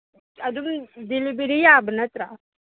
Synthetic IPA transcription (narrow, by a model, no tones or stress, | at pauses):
ad̪umd̪ilibiɾijabənət̪ɾa